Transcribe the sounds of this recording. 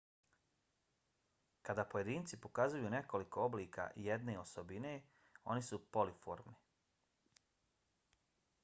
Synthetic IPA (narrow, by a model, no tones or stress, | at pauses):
kad̪aːpo̞je̞d̪iːnt̪sipokazujuːne̞ko̞liko̞obliːkʰa̰jed̪ne̞o̞sobine̞ | o̞̰nisupo̞lifo̞̰ːɾmni